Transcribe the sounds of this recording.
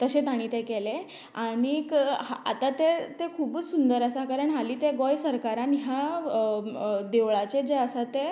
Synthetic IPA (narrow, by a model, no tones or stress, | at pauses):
t̪əɕẽt̪aɽ̃it̪ekele | aɽ̃ikɦaa̰t̪at̪et̪ekʰuːbət͡ssund̪əɾəsakaɾəɳɦaliːt̪eɡɔjsəɾkaɾanɦja | d̪eʋɭat͡ɕed͡zeəsat̪e